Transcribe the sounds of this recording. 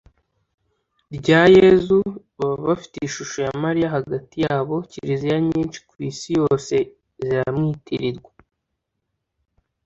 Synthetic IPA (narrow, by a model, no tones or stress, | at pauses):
ɾɟaːjezuβaβaβafi̥teiʃuʃojamaɾijaɦaɡatijaːβo̞ciɾizijaɲiːnt͡ʃi̥kuwisijo̞ːse̞ | ziɾamŋiːtʰiɾiɾɡwḁ